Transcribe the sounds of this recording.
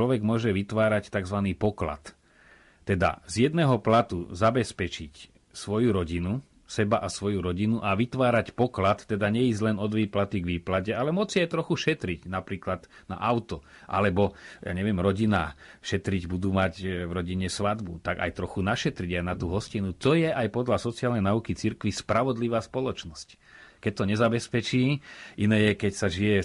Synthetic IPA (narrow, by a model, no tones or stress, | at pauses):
lɔʋɛɡmʊɔʒɛʋit̪ʋaːɾact̪aɡzʋaniːpɔkla̰t̪ː | ɛd̪a̰zjɛd̪nɛːɦɔplat̪uzabɛspɛt͡ʃic | sʋɔjuɾɔɟinu | sɛbaʔasʋɔjuɾɔɟinuʔaʋit̪ʋaːɾacpɔklat̪ːɛd̪aɲɛizɟlɛnɔd̪ʋiːplat̪iɡʋiːplacɛalɛmʊɔt͡st͡siajt̪ɾɔxuʃɛt̪ɾiɟnapɾiːklad̪na̰ʔaʊt̪ɔ | ʔa̰lɛbɔja̰ːɲɛʋɪɛmɾɔɟinaːʃɛt̪ɾiɟbud̪uːmacvɾɔɟiɲɛsʋad̪bṵt̪aɡa̰jt̪ɾɔxunaʃɛt̪ɾiɟajnat̪uːɦɔscinut̪ɔjɛʔajpɔd̪lasɔt͡siaːlnɛjnaukit͡siɾkʋispɾaʋɔd̪liʋaːspɔlɔt͡ʃnɔsc | kɛc̚t̪ɔɲɛzabɛspɛt͡ʃiːʔinɛːjɛkɛcsaʒijɛ